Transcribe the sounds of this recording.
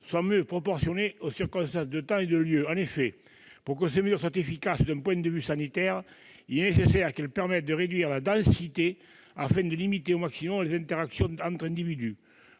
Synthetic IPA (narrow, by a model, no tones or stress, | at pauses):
swamjøpχɔpɔʁsjɔneosiʁkɔ̃st̪ɑ̃sd̪ət̪ɑ̃ed̪əljøɑ̃nefɛ | puʁkəseməzyʁs̬wat̪efikasd̪ɛ̃mpwɛ̃d̪əvysanit̪ɛʁ | ilɛnesesɛʁkɛlpɛʁmɛt̪̚d̪əʁed̪ɥiʁlad̪ɑ̃sit̪e | afɛ̃d̪əlimit̪eomaksimɔmlezɛ̃nt̪eʁaksjɔ̃ɑ̃nt̪χɛ̃nd̪ivid̪y